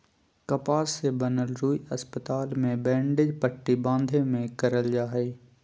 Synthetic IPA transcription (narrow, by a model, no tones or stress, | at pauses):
kɐpaːsebɐnəlɾuːiɐspət̪aːlmẽbɛ̃ːɳɖɪd͡ʑpɐʈːibãːnd̪ʱemẽkɐɾəld͡ʒaːɦeː